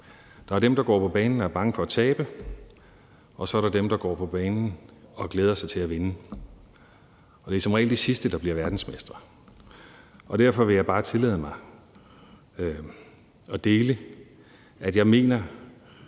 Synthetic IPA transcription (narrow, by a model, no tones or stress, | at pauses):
d̥ɑ̈æɐd̥emd̥ɑ̈ɡ̥ɒ̰ːpʰɒ̽b̥ɛːnn̩d̥ɑ̈æɐb̥ɑ̈ŋəfɒ̽æt͡sʰɛːb̥ə | ɒ̽sɒ̽æɐɾ̥ɑ̈d̥emd̥ɑ̈ɡ̥ɒ̰ːpʰɒ̽b̥ɛːnn̩ɒ̽ɡ̥leːð̞ˠɐsɑ̈ɪt͡sʰe̝læʋe̝nə | ɒ̽d̥e̝sɒ̽mʁɛ̰ːld̥esisd̥əd̥ɑ̈b̥liɐʋæɐd̥n̩smesd̥ɐ | ʔɒ̽d̥æɐfɒ̽ʋe̝jɑ̈ɪb̥ɑ̈ːt͡sʰe̝lɛ̰ð̞̩ˠmɑ̈ɪ | ɒ̽d̥e̝ːlə | ʔæd̥jɑ̈ɪme̝̰ːnɐ